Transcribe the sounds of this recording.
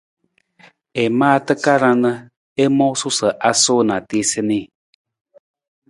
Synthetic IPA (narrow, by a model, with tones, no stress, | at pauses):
e˨mãː˦˨˧t̪ə˦ka˦ɾã˧nə˧ | e˦mõ˦su˦sə˨ʔa˦so˦˨nã˨t̪i˧˦se˧nĩ˦˨